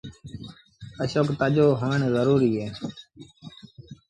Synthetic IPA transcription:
əʃoːkt̪əʄoːɦəʋɪɳzəɾuːɾiːɦeː

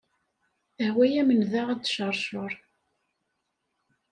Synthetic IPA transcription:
əhwæjæmənðaʁæd̪ʃəɾˤʃoɾˤ

